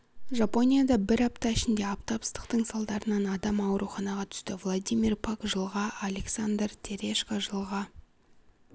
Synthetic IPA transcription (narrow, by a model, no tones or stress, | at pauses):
ʒapo̞nʲijad̪ɑbɪɾɑp̚t̪ɑɪʃɪnd̪e̞ɑpt̪ɑpə̥st̪ə̥qt̪əɴsɑlˠd̪ɑɾənɑnɑd̪ɑmɑwəɾuχɑnɑʁɑt̪ʰʏ̥st̪ɪvlˠod̪ijmʲirpʰakʒəlˠʁɑʔalʲe̞ksand̪rt̪ʲʰeɾʲe̞ʃkaʒəlˠʁɑ